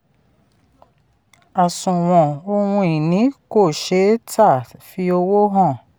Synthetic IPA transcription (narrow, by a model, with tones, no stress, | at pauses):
a˨sũ˨w̃ɔ̃˨o˧wũ˧i˨nĩ˨˦ko˦˨ʃe˨˦tʰa˦˨fi˧o˧wo˦ɦɔ̃˦˨